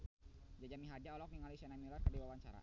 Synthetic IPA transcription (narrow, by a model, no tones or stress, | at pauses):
d͡ʒad͡ʒamiɦad͡ʒaɔlɔk̚niŋalisanamilɔrkərdiwawaɲt͡ʃa̰ɾa̰